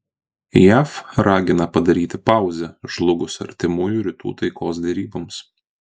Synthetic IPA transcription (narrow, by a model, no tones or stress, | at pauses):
jæːfɾɑːɡʲɪnɐpɐd̪ɐɾʲiːt̪ʲɪpɑˑʊzʲɛʒlˠʊɡʊsɐ̰ɾʲt̪ʲɪmʊjuɾʲɪt̪ṵːt̪ɐɪkoːs̬d̪ʲɛɾʲiːbɐms